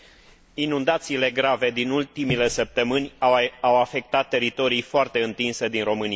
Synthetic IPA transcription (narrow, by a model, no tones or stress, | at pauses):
inund̪at̪siːle̞ɡɾave̞d̪inult̪imile̞səp̚t̪əmɨnʲawafe̞k̚t̪at̪ːe̞ɾit̪o̞ɾijfoart̪e̞ɨnt̪inse̞d̪inro̞mɨnia